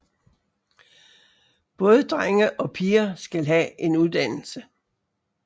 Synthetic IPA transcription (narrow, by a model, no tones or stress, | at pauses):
b̥ɔ̽ːð̞ˠəd̥ʁaŋəʔɒ̽pʰiːɐsɡ̥ælɦæʔe̝nuðˠd̥æn̰l̩sə